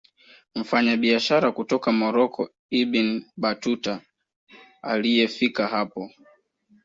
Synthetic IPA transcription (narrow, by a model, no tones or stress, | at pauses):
m̩faɲaɓiaʃaɾakutɔkamɔɾɔkʰɔ | ibinɓatuta | alijɛfikaɦapɔ